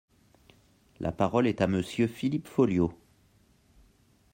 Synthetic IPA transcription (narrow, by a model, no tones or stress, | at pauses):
lʔa̰paʁɔlɛt̪aməsjøfilipfɔljo